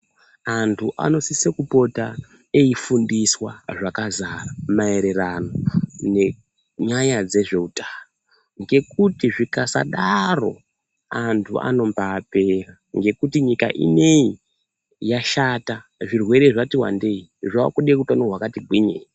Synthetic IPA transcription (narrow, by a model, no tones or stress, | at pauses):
antʰuʔa̰no̞sisekupo̞ta | eifundiswaʐakazaramae̞ɾe̞rano̞ne̞ | ɲaɲad͡ze̞ʐe̞utao | ŋɡe̞k̚utiʐikasa̰ɗaro̞ | antʰua̰no̞mpaːpe̞ra | ŋɡe̞kutiɲika̰ʔḭne̞ji | jaʃataʐirwe̞ɾe̞ʐatiwa̰nde̞iʐaa̰kuɗikutanoɦwakatiɡʱwiɲḛi